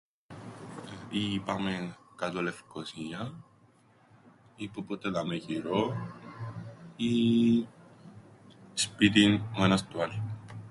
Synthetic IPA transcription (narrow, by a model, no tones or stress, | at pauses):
ipamenkɐt̪olefkosiɐ | ipupot̪elɐmeʝiɾo | i | spit̪inoenɐst̪ual